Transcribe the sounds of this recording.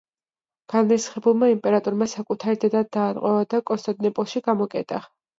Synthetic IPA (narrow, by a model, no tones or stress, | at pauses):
ɡ̥anmɛsχɛbulˠmaimpʼɛɾat̪ʼuɾmasakʼut̪ʰaɾid̪ɛd̪ad̪̚ːaːɾqʼwɛvad̪akʼɔst̪ʼad̪ʼnɛpʼɔlˠʃiɡamɔkʼɛt̪ʼa